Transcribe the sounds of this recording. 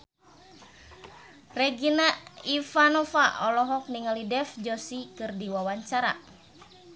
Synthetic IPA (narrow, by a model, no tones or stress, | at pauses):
rɛɡinaifanɔfaʔɔlɔɦɔk̚niŋalidɛfd͡ʒɔsikɨrdiwawaɲt͡ʃaɾa̰